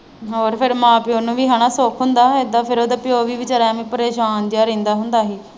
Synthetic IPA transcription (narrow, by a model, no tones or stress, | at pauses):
ɦoːɾpʰɪɾmãːpɪjoːnũːʋiːɦaːɽaːsoːkʰɦʊnd̪aːeːd̪aːpʰɪɾoːd̪aːpɪjoːʋiːʋɪt͡ʃaːɾaːʋĩːpəɾeːʃaːnd͡ʒaːɾẽːnd̪aːɦʊnd̪aːɦiː